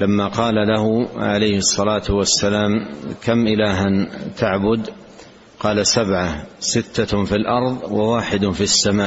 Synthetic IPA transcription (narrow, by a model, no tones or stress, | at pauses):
lamːaqɑːlalahʊʕalajhɨsˤːɑlaːt̪wasːalaːmkamʔɪlaːɦant̪ʰaʕbʊd̪ | qɑːlasabʕasɪt̪ʰːafilʔɑɾˤðˤwawaːħɪd̪fisːamaːʔ